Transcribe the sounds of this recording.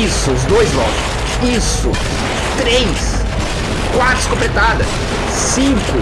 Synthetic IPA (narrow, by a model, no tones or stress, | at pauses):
isʊʊzd̪ojzlɔ̰kʊ̥s | isʊ̰ | t̪ɾejs | kwat̪ʊskõplet̪ad̪ɐs | sĩŋkʊ